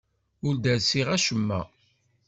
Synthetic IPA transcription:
ʊɾd̪æɾsiʁæʃəmːæ̰

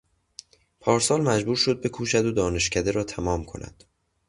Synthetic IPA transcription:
pʰɒːɾsɒːlmæd͡ʒbuːɾʃo̞d̪̚be̞kʰuːʃæd̪od̪ɒːne̞ʃcʰæd̪e̞ɾɒːt̪ʰæmɒːmkʰo̞̰nʔæ̰d̪̥

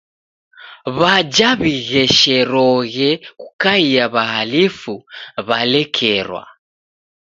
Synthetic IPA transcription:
βad͡ʒaβiɣɛʃɛɾɔɣɛku̥kaiaβaɦalifuβalɛkʰɛɾwa̰

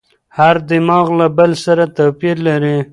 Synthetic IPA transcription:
haɾd̪ɪmɑɣlabəlsaɾat̪apiɾlaɾi

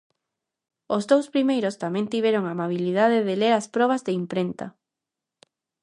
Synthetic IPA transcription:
ozðowspɾimejɾost̪amɛ̃nt̪iβ̞eɾoŋamaβ̞ilið̞að̞eðeleɾaspɾɔβ̞ɐzðeimpɾent̪ɐ

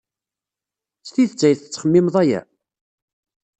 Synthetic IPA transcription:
st̪iθt͡sːæjθət͡sːχəmːɪmðˤæjæ̰

